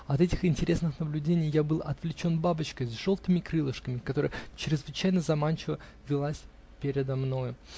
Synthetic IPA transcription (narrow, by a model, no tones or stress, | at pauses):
ɐt̪ɛtʲɪxɪnʲtʲɪɾʲʔe̞snɨxnəblʲʉdʲenʲɪjːabɨlˠɐ̰t̪vlʲɪt͡ɕo̞nbabət͡ɕkəjzʐo̞lˠt̪ɨmʲɪkɾɨlˠəʂkəmʲɪkɐt̪o̞ɾə̰jt͡ɕɾʲɪzvɨt͡ɕæjnəzɐmanʲt͡ɕɪvə | vʲɪlˠasʲ | pʲeɾʲɪd̪ɐmno̞jʊ